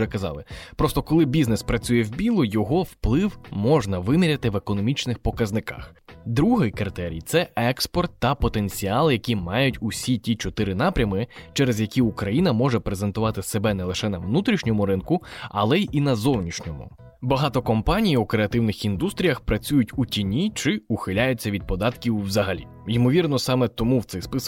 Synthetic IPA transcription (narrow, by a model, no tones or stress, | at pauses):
ɛkɐzɑ̰lˠɪpɾɔst̪ɔkɔlˠɪbʲiznespɾɐt͡sʲujɛwbʲilˠʊjɔɦɔwplˠɪwmɔʒnɐʋɪmʲiɾʲɐt̪ɪʋekɔnɔmʲit͡ʃnɪxpɔkɐznɪkɑ̰xd̪ɾuɦɪjkɐrt̪ɛɾʲḭjt̪sɛɛkspɔrt̪ːɐpɔt̪e̞nʲt͡sʲiɑlˠjɐkʲimɑjʊtʲʊsʲitʲit͡ʃɔt̪ɪɾɪnɑpɾʲɐmɪt͡ʃɛɾezjɐkʲiukɾɐjinɐmɔʒɛpɾeze̞nt̪ʊʋɑt̪ɪsebɛnɛlˠɪʃɛnɐwnut̪ɾʲiʃnʲɔmʊɾɪnkʊɐ̰lˠɛʔinɐzɔwnʲiʃnʲɔmʊ̰ | bɐɦɑt̪ɔkɔmpɑnʲijukɾeɐt̪ɪwnɪxind̪ust̪ɾʲijɐxpɾɐt͡sʲujʊtʲutʲinʲit͡ʃɪuxɪlʲajʊt͡sʲːɐʋʲid̪̚pɔd̪ɑt̪kʲiwːzɐɦɐlʲḭ | jimɔʋʲirnɔsɑmet̪ɔmuwt̪sɛjspɪs